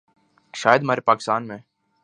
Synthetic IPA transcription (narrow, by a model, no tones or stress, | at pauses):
ʃaːjəd̪maːɾepaːkɪ̥st̪aːnmẽ